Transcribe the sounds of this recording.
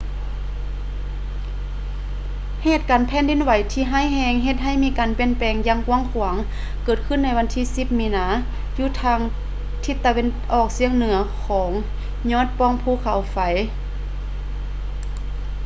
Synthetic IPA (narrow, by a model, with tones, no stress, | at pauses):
heː˧˩t̪̚kaː˨npʰɛː˧˥˨ndi˨˧˥nwa˨˦jt̪ʰiː˧ɦaː˧˥˨jɦɛː˧ŋɦe˧t̪̚ɦa˧˩˨jmiː˧˥kaː˨˩npe˧˩˥npɛː˨˩ŋjaː˧˨ŋku˧əŋkʰu˨˩˦əŋ | kɤː˧˩t̪̚kʰɯ˧˥˨nːa˧˥jwa˧˥nt̪ʰiː˧˥si˧˥p̚miː˧˥naː˨˦ | juː˧˩t̪ʰaː˧˥ŋ | t̪ʰi˧˦t̪ːa˧we˧˥˨nʔɔː˧˩k̚si˧əŋnɯ˩˦ɐkʰɔː˩˦ŋ | ɲɔː˧˥˨t̪̚pɔː˧˩ŋpʰuː˧˩kʰa˨˩˦wfa˨˦j